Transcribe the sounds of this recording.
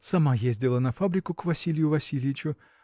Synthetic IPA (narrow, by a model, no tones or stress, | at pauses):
sɐmajezʲdʲɪlˠənɐfabɾʲɪkʊkvɐsʲilʲɪjʊvɐsʲilʲɪjɪt͡ɕʊ